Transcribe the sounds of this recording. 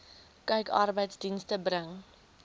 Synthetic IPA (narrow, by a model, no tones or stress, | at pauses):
kœɥkɐ̰rbəjtsdinstəbɾəŋ